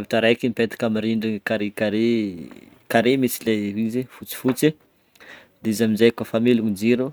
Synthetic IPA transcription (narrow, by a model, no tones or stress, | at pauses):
aviʈ͡ʂaɾajkinipet̪ḁkamiɾiɳɖ͡ʐikaɾekaɾe | kaɾemit͡sileɦizefut͡si̥fut͡si | d̪eizaminzajkafamiluŋid͡ziɾu